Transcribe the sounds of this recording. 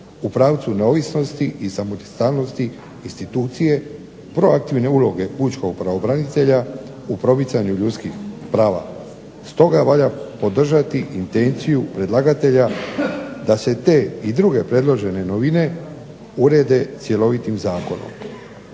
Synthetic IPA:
upɾaːʋt̪sune̞o̞ʋisno̞st̪iʔisamost̪aːlno̞st̪i | inst̪it̪uːt̪sije̞ | pɾo̞ak̚t̪iʋne̞ulo̞ɡe̞put͡ʃko̞ɡ̚pɾaʋo̞bɾanit̪e̞ʎa | upɾo̞pit̪saɲuʎut̪kixpɾaːʋa̰ | st̪o̞ɡaʋaʎapo̞d̪r̩ʒat̪iʔint̪e̞nt̪sijupɾe̞d̪laɡat̪e̞ʎa | d̪ase̞t̪e̞ːid̪ɾuɡe̞pɾe̞d̪lˠo̞ʒe̞ne̞no̞ʋine̞ | uɾe̞d̪e̞t̪sje̞lo̞ʋit̪imzaːko̞no̞̰m

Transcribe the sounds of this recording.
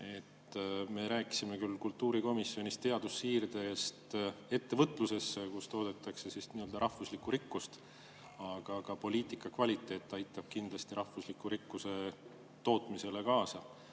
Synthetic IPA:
e̞t̪ːme̞ɾæːki̥sime̞kylkult̪ːuːɾiko̞misːjo̞nist̪e̞ɑd̪̥usːiːrd̪̥e̞st̪e̞t̪ːe̞vɤt̪ˑluse̞sːekust̪o̞ːd̪et̪ːˑɑkse̞sisniːø̞ld̪ɑɾɑhfuslikːˑuɾikːˑust̪ | ɑɡ̥ɑɡ̥ɑpo̞lʲiːt̪ˑikːˑɑkvɑlʲit̪ːˑe̞ːt̪ˑːɑjt̪ːˑɑb̥̚kind̪̥lɑst̪iɾʔɑhfuslikːuɾikːˑuse̞ | t̪o̞ːt̪mise̞le̞kɑːsɑ

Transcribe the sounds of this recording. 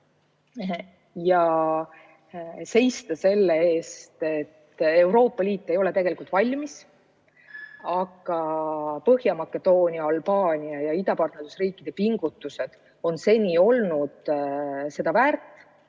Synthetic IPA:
jɑ | se̞jst̪ɑse̞lːe̞e̞ːst̪e̞t̪ːe̞wɾo̞ːpːɑliːt̪ˑːe̞jo̞le̞t̪e̞ɡ̥e̞likult̪ˑvɑlʲmis | ɑɡ̥ɑpɤhjɑmɑkːˑe̞d̪̥o̞ːnʲiɑɑlbɑːnʲiɑjɑid̪ɑpɑrt̪nerusriːkˑːid̪̥e̞piŋɡ̥ut̪ːˑuse̞d̪̥ | o̞nse̞nʲio̞lnud̪̥ | se̞d̪̥ɑvæːrt̪ːˑ

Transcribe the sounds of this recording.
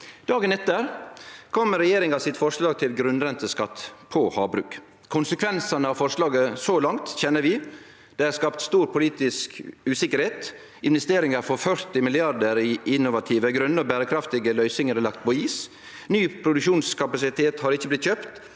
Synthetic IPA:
d̪̥ɑːɡənɛt̪ːəɾkʰɔmːəɾɛjeːɾɪŋɑsɪt̪fɔɾʂlɑːɡ̚t̪ʰɪlɡɾʉnɾɛnt̪əskɑt̪ːpʰohɑːbɾʉːk | kʰʊnsəkʰʋɛnsɑnəɑʋfɔɾʂlɑːɡəsɔlɑŋt̪çɛnːəɾʋɪ | d̪̥ɛæɾskɑpt̪st̪uːɾpʰʊliːt̪ɪskʉːsɪkəɾheːt̪ | ɪnʋɛst̪eːɾɪŋəɾfɔɾfœɾt̪ɪmɪlɪɑɾd̪əɾiʔɪnːʊʋɑt̪ʰiːʋəɡɾʉnːəɔbæːɾəkʰɾɑft̪ɪɡəlœʏsɪŋəɾɛlɑk̚t̪̚pʰɔiːs | nyːpʰɾʊd̪ʉkʃuːnskʰɑpɑsɪt̪ʰeːt̪hɑɾɪçːəblɪt̪çøːpt̪

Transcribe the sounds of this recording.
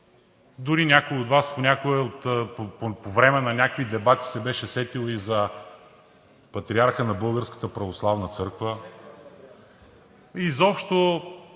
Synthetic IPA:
d̪ʊɾinʲakoiod̪vasponʲakoəot̪ːpppovɾɛmɛnɐnʲakvid̪ɛbat̪i̥sɛbɛʃɛsɛt̪ilˠəizɐ | pɐt̪ɾiaɾxənɐbɤlˠɡəɾskə̥t̪əpɾɐvoslˠavnət̪sɤɾkvə | izɔpʃt̪o

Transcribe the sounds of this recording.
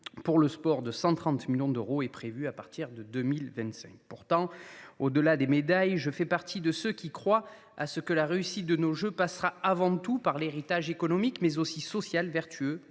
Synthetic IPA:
puʁləspɔʁd̪əsɑ̃t̪χɑ̃t̪miljɔ̃d̪əʁoɛpχevyapaʁt̪ʰiʁd̪əd̪ømilvɛ̃t̪sɛ̰̃ŋk̚puʁt̪ɑ̃od̪əlad̪emed̪ajʒəfɛpaʁt̪id̪əsəkʲikχwa | a̰səkəlaʁeysit̪̚d̪ənoʒøpasʁaavɑ̃t̪upaʁleʁit̪aʒekɔnɔmikmɛzosisɔsjalvɛʁt̪ʰyø

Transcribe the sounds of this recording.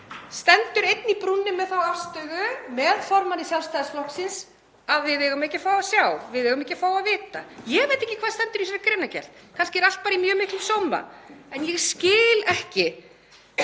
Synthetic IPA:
st̪ɛnt̪ʏɾejt̪nipɾunːɪmɛðθawafst̪œɣʏmɛðfɔɾmanisjalst̪aːjðsflɔhksɪns | aðvɪðeːɣʏmɛhcːɪfaːwasjawvɪðeɣʏmɛhcːɪfaːwaðvɪːt̪ajɛɣvejt̪ːehcːɪkʰvaːðst̪ɛnt̪ʏɾis̬ɔɾakɾeːnːacɛ̰l̥t̪̚kʰanscɪɛɾalt̪paːɾaimjœːɣmɪhklɪsɔwma̰ɛnjɛɣscɪːlɛhcɪ

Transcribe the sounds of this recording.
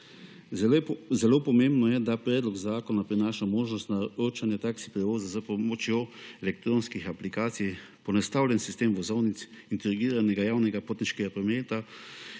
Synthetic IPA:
zɛloːpɔmẽmbnɔjɛd̪apɾɛːd̪lɔɡzaːkɔnapɾinaːʃamoːʒnɔst̪naɾoːt͡ʃanjɛt̪aːksi̥pɾɛʋoːzazapɔmɔt͡ʃjoɛlɛk̚t̪ɾoːnskixaplikaːt̪sij | pɔnast̪awlʲjɛnsi̥st̪eːmʋɔzɔwnit̪s | int̪ɛɾɡiːɾanɛɡajaːwnɛɡapoːt̪niʃkɛɡapɾɔmeːt̪a

